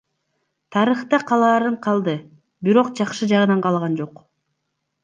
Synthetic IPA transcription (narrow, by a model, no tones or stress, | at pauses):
t̪ʰɑɾɯχt̪ɑqʰɑlˠɑːɾɯɴqʰɑlˠd̪ɯ | biɾo̞qd͡ʒɑqʃɯd͡ʒɑʁɯnɑɴqʰɑlˠʁɑnd͡ʒo̞q